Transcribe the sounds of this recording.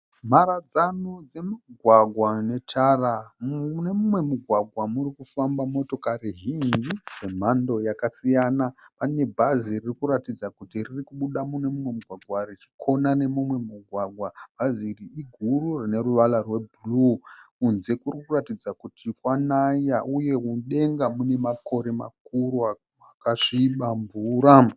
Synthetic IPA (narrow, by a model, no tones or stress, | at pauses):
m̤aɾad͡zanud͡zemiɡʱwaɡʱwane̞tʰaːrane̞mumwe̞muɡʱwaɡʱwamurikufambamo̞to̞kariɦindise̞m̤ando̞jakasijanapane̞bʱaziririkuɾatid͡zakutiririkuɓuɗamune̞mumwe̞muɡʱwaɡʱwarit͡ʃi̥kʰo̞nane̞mumwe̞muɡʱwaɡʱwab̥ʱaziriiɡʱururine̞ɾuʋalarwe̞bullukunze̞kurikuratid͡zakutʰikwanajaʔuje̞uɗe̞ŋɡamune̞mako̞ɾe̞ma̰kuɾua | akaʐiɓamvuːɾa